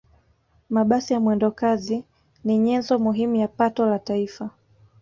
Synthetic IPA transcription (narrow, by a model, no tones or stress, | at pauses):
maɓasijamwɛndɔkazi | niɲɛnzɔmuɦimujapatɔlataifa